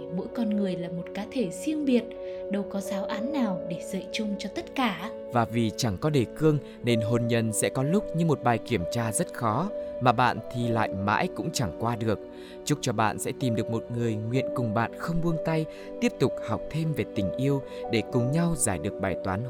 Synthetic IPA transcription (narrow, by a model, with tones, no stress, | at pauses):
ɓo̰˧˥jkɔ˧nŋɨ˨˩əjlaː˨˩mo˨˩t̚kaː˨˦t̪ʰe˧˩si˧əŋɓi˨˩ət̚ɗə˧wkɔ˨˦zaː˨˦wʔaː˨˦nːaː˨˩wɗe˧˩zə̰ː˧˨jt͡ɕʊ˧ŋ͡mt͡ɕɔ˧t̪ə˦˥t̚kaː˧˩ | vaː˨˩vi˨˩t͡ɕa˧˩ŋkɔ˨˦ɗe˧˩kɨ˧əŋ | ne˧nɦo˨˩nɲə˨˩nsɛ̰˧˥kɔ˨˦lʊ˦˥k͡p̚ɲɨ˧ŋmo˨˩t̚ɓaː˨˩jki˧˩əmt͡ɕaː˧zə˦˥t̚xɔ˨˦maː˨˩ɓa̰ː˧˨nt̪ʰi˨˩la̰ː˧˨jma̰ː˧˥jkʊ̰˧˥ŋ͡mt͡ɕa˧˩ŋkwaː˧ɗɨ˨˩ək̚ | t͡ɕʊ˦˥k͡p̚t͡ɕɔ˧ɓa̰ː˧˨nsɛ̰˧˥t̪i˨˩mɗɨ˨˩ək̚mo˨˩t̚ŋɨ˨˩əjŋwḭ˧˨ənkʊ˨˩ŋ͡mɓa̰ː˧˨nxə˧wŋ͡mɓu˧əŋt̪a˧j | tt̪i˦˥əp̚t̪ʊ˨˩k͡p̚ha˨˩wk͡p̚t̪ʰe˧mve˨˩t̪ï˨˩ŋ̟ʔi˧əw | ɗe˧˩kʊ˨˩ŋ͡mɲa˧wzaː˧˩jɗɨ˨˩ək̚ɓaː˨˩jt̪waː˨˦n